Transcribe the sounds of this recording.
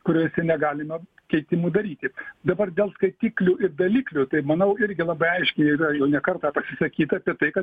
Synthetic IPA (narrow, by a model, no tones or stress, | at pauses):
kʊɾʲoɔsʲɛnʲɛɡɑːlʲɪmɐ | kʲɛɪt̪ʲɪmuːd̪ɐɾʲiːt̪ʲɪd̪ɐbɐrd̪ʲeːlˠskɐɪt̪ʲiːklʲuːʔɪrd̪ɐlʲiːklʲut̪ɐɪmɐnɐʊɪɾʲɡʲɪlˠɑːbɐɪɐɪʃʲkʲɛɪiɾɐjɛʊnʲɛkɐrt̪ɑːpɐsʲɪsɐkʲiːt̪ɐːpʲiɛt̪ɐɪkɐ